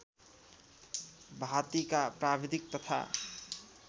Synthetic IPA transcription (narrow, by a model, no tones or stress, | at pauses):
bʱat̪ikapɾabid̪ik̚t̪ʌt̪ʰa̰